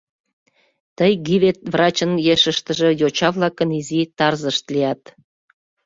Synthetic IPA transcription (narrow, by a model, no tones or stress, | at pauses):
t̪əjɡiβet̪̚vrɑt͡ɕənjeʃəʃt̪ə̆ʒə̆jot͡ɕɑβlɑkənizit̪ɑrzəʃt̪liɑt̪